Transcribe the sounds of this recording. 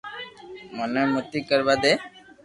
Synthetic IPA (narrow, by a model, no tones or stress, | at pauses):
mənemut̪ikəɾbad̪ɛ